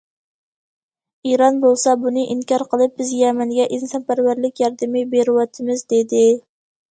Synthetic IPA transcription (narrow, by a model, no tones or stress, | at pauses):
iɾɑnbolˠsɑbunɪʔiŋkʰʲɑɾqʰəlˠɨp̚bɪzjɛmɛŋɡʲɛʔinsɑnpʰæɾwæɾlɪkʲjɑɾd̪ɪmɪbeɾɪwɑt̪ʰɪmɪzd̪ed̪ɪ